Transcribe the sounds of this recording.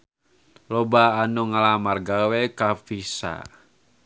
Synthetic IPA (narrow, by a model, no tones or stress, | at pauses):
lɔbaːnɔŋalamarɡawekafisa̰